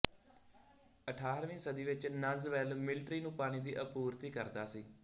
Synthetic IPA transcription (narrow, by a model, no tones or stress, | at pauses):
əʈʰaːɾʋĩːsəd̪iːʋɪt͡ʃnəzʋɛːlmɪlʈɾiːnũːpaːɽ̃iːd̪iːʔəpuːɾt̪iːkəɾd̪aːsiː